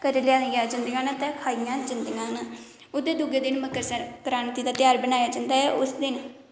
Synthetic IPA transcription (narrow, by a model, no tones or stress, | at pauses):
kəɾljãːjaːd͡ʒənd̪ɪɡaːnat̪ɛ̃ːkʰaːijãːd͡ʒənd̪ɪŋɡãːna | ʊd̪eːd̪uɡeːd̪ɪnməkːəɾsəɾkɾaːnt̪id̪aːt̪ɪjaːɾbənaːjaːd͡ʒãːnd̪aːɦɛːʔʊsd̪ɪn